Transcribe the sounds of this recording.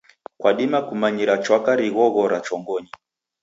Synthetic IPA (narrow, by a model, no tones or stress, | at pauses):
kwaɗimakumaɲiɾat͡ʃwakaɾiɣɔɣɔɾat͡ʃɔŋɡɔɲi